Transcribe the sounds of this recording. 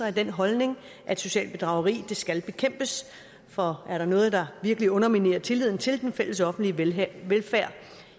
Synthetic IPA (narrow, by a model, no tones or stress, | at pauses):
ɐæɐd̥enɦɒ̽lne̝ŋ | ʔæd̥so̝ɕɛ̰ːlb̥e̝d̥ʁɑ̈ʊɐʁḭːd̥e̝sɡ̥ælb̥e̝kʰem̰b̥əs | fɒ̽æɐɾɑ̈nɔ̽ːð̞̩ˠd̥ɑ̈ʋiɐɡ̥əliɔ̽nɐmine̝̰ɐt͡sʰe̝lið̰ˠn̩t͡sʰe̝ld̥enfel̰əsɒ̽fn̩d̥liʋelfæɐ̰